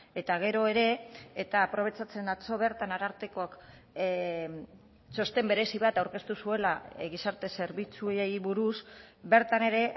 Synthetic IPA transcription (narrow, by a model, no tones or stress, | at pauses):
e̞t̪aɣ̞e̞ɾo̞e̞ɾe̞ːt̪aːpɾo̞β̞e̞t͡sat͡se̞nat͡so̞β̞e̞ɾt̪anaɾaɾt̪ekoak | so̞st̪e̞mbe̞ɾe̞siβ̞at̪awɾke̞st̪usue̞laɣisaɾt̪e̞se̞ɾβit͡suejβuɾusbe̞ɾt̪ane̞ɾe̞